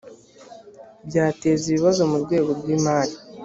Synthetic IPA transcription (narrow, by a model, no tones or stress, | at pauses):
bɟaːte̞ːziβiβazo̞muɾɡwe̞ːɡo̞ɾɡwiːmaːli